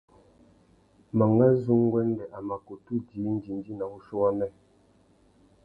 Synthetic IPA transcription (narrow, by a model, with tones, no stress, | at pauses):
ma˨ŋɡa˦zu˦ŋ˦ɡwɛ˦n˦dɛ˨ʔa˨ma˨ko˨tu˦˨di˨˦n̩˦di˨n˦di˦na˨bu˦ʃu˦wa˦mɛ˦